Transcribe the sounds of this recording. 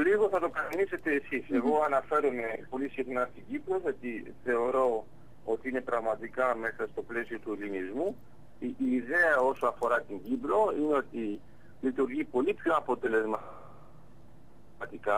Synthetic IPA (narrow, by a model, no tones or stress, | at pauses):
liɣo̞θɐt̪o̞kɐɾɐnise̞t̪e̞ːsise̞ɣo̞ɐnɐfe̞ɾome̞po̞lisixnɐst̪iɟipɾo̞ʝɐt̪iθe̞o̞ɾo̞ | ot̪iine̞pɾɐɣmɐt̪ikɐme̞sɐst̪o̞ple̞sio̞t̪uelinizmu | iːðe̞ɐo̞soɐfo̞ɾɐt̪iɲɟipɾo̞ineo̞t̪i | lit̪uɾʝipo̞lipço̞ɐpo̞t̪e̞le̞zm | t̪ikɐ